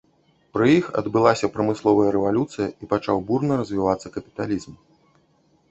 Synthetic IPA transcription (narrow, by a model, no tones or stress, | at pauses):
pɾɨjixɐ̰d̪bɨlˠasʲɐpɾɐmɨslˠɔvɐjɐɾɛvalʲut̪sɨjɐipat͡ʂawburnɐɾɐzʲvʲivat̪sːɐkɐpʲi̥t̪alʲizm